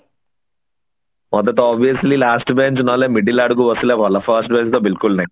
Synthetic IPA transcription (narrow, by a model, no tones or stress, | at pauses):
mɔd̪ɐʈaːbijɐslilaːsʈbent͡ʃunaleːmiɖilɐɽuɡuʋɐsuleːʋɐlɐpʰɐɾsʈ̚bent͡ʃt̪oːbilkulnɐ